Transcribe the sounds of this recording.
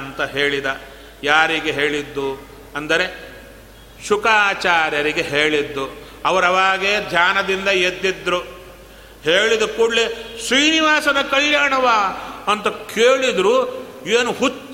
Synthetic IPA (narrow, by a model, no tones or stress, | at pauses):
nt̪ɐɦe̞ːɭid̪ɐ | jaːɾiɡeɦe̞ːɭid̪ːu | ɐnd̪ɐɾe̞ | ʃukaːt͡ʃaːɾjɐɾiɡe̞ɦe̞ːɭid̪ːu | ɐʋɐɾɐʋaːɡeːd̪ʱjaːnɐd̪ind̪ɐjed̪ːid̪ɾu | ɦe̞ːɭid̪ukuːɽlesɾiːniʋaːsɐnɐkɐɭjaːɳɐʋaːɐnt̪ɐkʰeːɭid̪ɾueːnuɦut͡ʃː